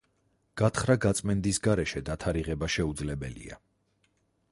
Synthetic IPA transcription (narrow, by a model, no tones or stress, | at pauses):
ɡ̥at̪χɾaɡat̪sʼmɛnd̪isɡaɾɛʃɛd̪at̪ʰaɾiʁɛbaʃɛud̪zlɛbɛlḭa̰